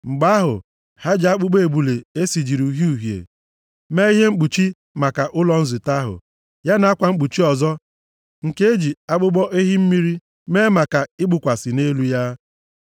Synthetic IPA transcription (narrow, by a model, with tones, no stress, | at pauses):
ŋ͡m̩˨ɡ͡ba˦ɦʊ̰˨ | ha˦d͡ʒa˦k͡pʊ˦ɡ͡be˦e˨bu˨le˨e˦si˨d͡ʒi˨ɾu˨ɦi˦u˨ɦjḛ˨ | me˦i˦ɦe˦ŋ͡m̩˦k͡pu˨t͡ʃi˦ | ma˨ka˨ʔʊ˦lɔ˦n̩˦zɪ˨ta˦ɦʊ̰˨ | ja˦na˨˦a˦kʷa˨ŋ͡m̩˦k͡pu˨t͡ʃi˦ɔ˨zɔ˦ | ŋ̩˨ke˦e˦d͡ʒi˨a˦ɡ͡bʊ˦ɡ͡bɔ˦ʔe˦ɦi˦m̩˦mi˦ɾi˦ | me˦ma˨ka˨ɪ˦ɡ͡bʊ˨kʷa˨sɪ˨ne˦lu˦ja˦